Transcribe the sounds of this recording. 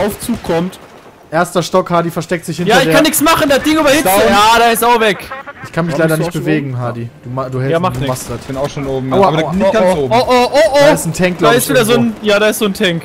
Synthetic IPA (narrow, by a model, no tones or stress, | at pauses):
ʔaʊft͡suːkʰːɔmt | ʔeːɐstɐʃtɔkhaːdifɛɐʃtɛk̚tz̥ɪçhɪnjaːɐɪçdeːkʰːanːɪçsmaχn̩dasd̥ɪŋyːbɐhɪəjaːdaɪstaʊxvɛkʔɪçkʰanmɪçlaɪdɐnɪç̚b̥əveːɡŋ̩ɦaːdid̥uːmaduːhɛjamadumaχstdatb̥ɪnaʊxʃoːnʔoːbm̩aanɡaoːbmoʔoʔoʔoɪstn̩tʰɛŋklaɪstviːdɐzoːnjaːdaːɪstzoːntʰɛŋk